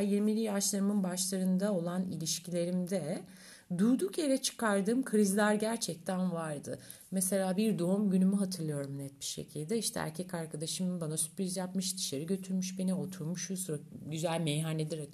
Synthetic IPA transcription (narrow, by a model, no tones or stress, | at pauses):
jiɾmilʲijaʃlˠaɾɯmɯnbaʃlˠaɾɯnd̪ao̞lˠanilʲiʃcʰilʲe̞ɾimd̪ɛ | d̪ujd̪ukje̞ɾɛt͡ʃʰɯ̥kʰaɾd̪ɯːmkʰɾizlʲæɾɟæɾt͡ʃʰɛc̚t̪ʰænvaɾd̪ɯ̰ | mɛse̞lʲaːbiɾd̪o̞umɟynymyɦat̪ʰɯɾlˠɯjo̞ɾumnɛt̪̚bi̥ʃe̞̰cʰilʲd̪ɛiʃt̪ʰɛ̰æ̰ɾcʰɛcaɾkʰad̪aʃɯmbanasy̥pɾizjapmɯʃd̪i̥ʃeɾiɟø̞t̪ʰyɾmyʃbe̞nio̞t̪ʰuɾmuʃusɾaɟyzælʲmejɦaned̪iɾak